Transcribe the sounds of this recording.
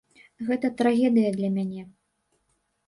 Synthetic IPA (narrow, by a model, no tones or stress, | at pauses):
ɣɛt̪ɐt̪ɾaɣʲɛd̪ɨjɐd̪lʲɐmʲanʲɛ